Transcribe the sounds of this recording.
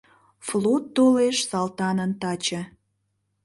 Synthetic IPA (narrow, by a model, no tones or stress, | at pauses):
flot̪ːoleʃsɑlt̪ɑnənt̪ɑt͡ɕə̆